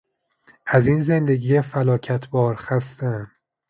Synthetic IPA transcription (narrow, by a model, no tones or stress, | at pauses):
ʔæzinze̞nd̪e̞ɡiːjefælɒːcʰæt̪ʰbɒːɾxæst̪æn